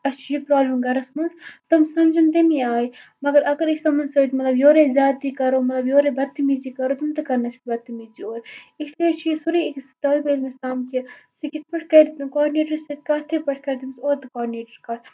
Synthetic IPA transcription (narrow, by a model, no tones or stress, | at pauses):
ɐst͡ʃʰijipɾaːblɐmɡɐɾɐsmɐnzt̪ɐmsɐmd͡ʒɐnt̪emiaːjimɐɡɐɾɐɡɐɾislɐmɐnsɐit̪mɐt̪lɐbjoːɾezʲjaːt̪ːikɐɾoːmɐt̪lɐbjoːɾebɐt̪ːimizikɐɾoːt̪ɐmt̪ɨkɐɾnɐt͡ʃʰi̥kʲbɐt̪ːimizioːɾɪslit͡ʃʰijisuɾiekst̪ɐibeːɾmesaːmkisikit̪ʰpɐʈʰkɐd̪it̪ɨkaːɖineːʈɐɾsikɐt̪ʰepɐʈʰkɐɾd̪imɐsoːɾt̪ɨkaːɖineːʈɐɾkɐɾ